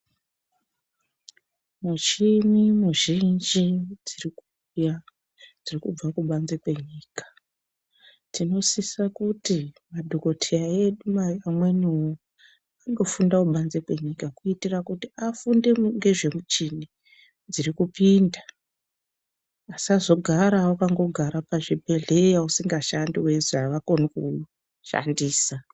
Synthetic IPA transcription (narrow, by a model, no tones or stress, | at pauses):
mut͡ʃimimuʒind͡ʒid͡ziriku | ja | d͡zirikub͡vakuɓanzekwe̞ɲiːkḁ | tino̞sisakutimadʱo̞ko̞tʰeaeɗumaamwe̞nuu | aɡo̞fundakuɓanze̞kwe̞ɲikakuitirakutiafunde̞ŋɡe̞ʐe̞mut͡ʃini | d͡zirikupinda | sazo̞ɡʱaɾaokaŋɡo̞ɡʱaɾapaʐibʱe̞ɮe̞jausiŋɡaʃandiwe̞zaʋako̞niku | ʃa̰ndiːsa